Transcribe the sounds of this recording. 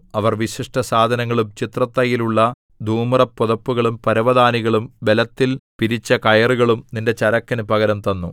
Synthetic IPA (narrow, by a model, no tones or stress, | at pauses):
ɐʋɐrʋiɕiʂʈɐsaːd̪ʱɐnɐŋːɐɭumt͡ɕit̪rɐt̪ːɐjiluɭːɐ | d̪ʱuːmrɐpːoðɐpːuɣɐɭumpɐɾɐʋɐd̪aːniɣɐɭumʋe̞lɐt̪ːilpiɾit͡ɕːɐkɐjɐruɣɐɭumninde̞t͡ɕɐɾɐkːɐnupɐɣɐɾɐmt̪ɐnːṵ